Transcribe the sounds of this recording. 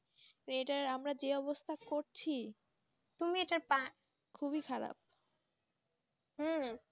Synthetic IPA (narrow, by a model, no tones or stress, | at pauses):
ɾeʈaɾamɾad͡ʑeɔbost̪ʰakoɾt͡ɕʰi | t̪umieʈaɾpã | kʰuβikʰaɾa̰p̚ | ɦ̩